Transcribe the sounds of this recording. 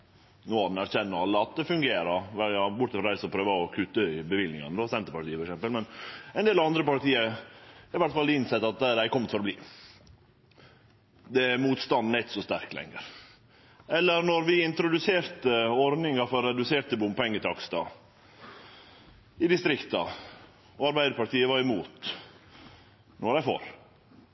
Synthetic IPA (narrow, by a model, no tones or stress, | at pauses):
noːɑd̪næɾçɛnːəɑlːəɑt̪̚d̪ɛfʉŋɡeːɾəɾʋɛjɑbʊʈːt̪ɛfɾɔɾæɪsɔpʰɾøːʋəɔkʰʉt̪ːəɪbəʋɪlnɪ̰ŋə̰nəd̪oːsɛnt̪əɾpɑɾʈ̪iːəfɔɾɛksɛmpəlmɛnɛnd̪eːlɑʋɑnd̪ɾəpɑɾʈ̪iːəɪʋæʈ̪fɑld̪ɪɪnsɛt̪ːɑt̪̚d̪ɛd̪æɪkʰɔmːət̪fɔɾɔblḭː | d̪ɛæɾmuːt̪st̪ɑnd̪nɛt̪sɔst̪æ̰ɾkt̪lɛ̰ŋːə̰ɾ | ɛlːəɾnɔɾʋɪɪnt̪ɾʊd̪ʉseːɾt̪əɔɾd̪nɪŋɑfɔɾːɛd̪ʉseːt̪əbʊmpɛŋːət̪ɑkst̪ɑ̰ | ɪd̪ɪst̪ɾɪkt̪ɑ̰ | ɔɑɾbæɪd̪əɾpɑʈiːəʋɑɾɪmuːt̪ | nɔɾæɪfo̰ːɾ